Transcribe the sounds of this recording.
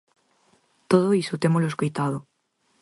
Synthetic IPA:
t̪oð̞oisot̪emoloeskojt̪aðo

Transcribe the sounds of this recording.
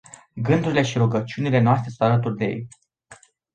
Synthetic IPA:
ɡɨnd̪uɾile̞ʃiɾuɡət͡ʃiunile̞noast̪ɾe̞sunt̪alət̪urd̪ejḛj

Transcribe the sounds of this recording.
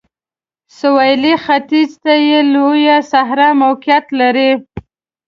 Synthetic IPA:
sʊwajlixat̪izt̪ajelojasaɦɾamawqɪjat̪laɾi

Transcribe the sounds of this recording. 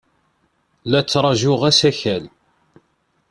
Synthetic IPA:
læt͡sːɾˤɑʒʊʁæsæçæl

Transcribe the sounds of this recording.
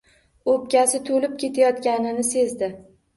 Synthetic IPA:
op̚kʲasɪt̪ʰolɪp̚kʲe̞t̪ʰajɒt̪kʲanɪnɪse̞zd̪ɪ

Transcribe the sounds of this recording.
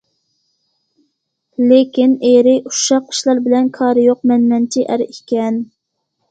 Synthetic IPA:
lekʲineɾɪʔuʃɑqʰːə̥ʃlˠɑɾbɪlɛnkʰɑːɾɨjoq̚mɛnːɛnt͡ʃʰiʔæɾikʲʰɛn

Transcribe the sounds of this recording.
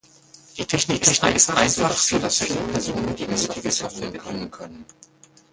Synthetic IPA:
d̥iːtʰɛçnɪk̚tʰɛçnɪkɪstʔaɪnfaχz̥oːdasfiːləpʰɛɐzoːnəndiːnɪztɪɡəsɔftv̥ɛɐbəɡʏnənkʰœnən

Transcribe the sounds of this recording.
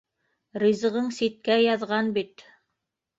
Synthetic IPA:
ɾizɤ̆ʁɤɴsit̪̚kæjɑðʁɑnbit̪

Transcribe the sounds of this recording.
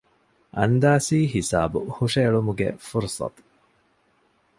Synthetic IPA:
ʔɐnd̪aːsiːɦisa̰ːbuhuʂeːɭumuɡḛfuɾsɑ̰t̪

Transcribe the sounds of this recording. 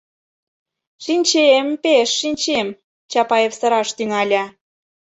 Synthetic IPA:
ʃinʲt͡ɕempeʃːinʲt͡ɕem | t͡ɕɑpɑjefsɤ̆ɾɑʃt̪yŋɑlʲɑ

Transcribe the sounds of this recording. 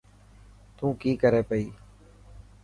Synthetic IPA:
t̪ũːkiːkəɾeːpəiː

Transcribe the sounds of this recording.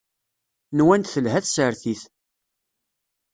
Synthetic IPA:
nwænt̪θəlɦæθsəɾθiθ

